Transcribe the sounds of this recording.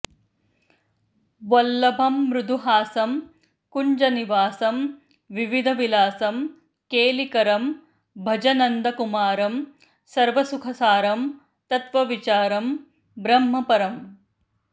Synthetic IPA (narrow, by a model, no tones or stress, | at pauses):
ʋɐlːɐbʱɐmːɾud̪ʱuɦaːsɐm | kuɲd͡ʒɐniʋaːsɐm | ʋiʋid̪ʱɐʋilaːsɐm | keːlikɐɾɐm | bʱɐd͡ʒɐnɐnd̪ɐkumaːɾɐm | sɐɾʋɐsukʰɐsaːɾɐm | t̪ɐt̪ʋɐʋit͡ʃaːɾɐm | bɾɐmːɐpɐɾɐm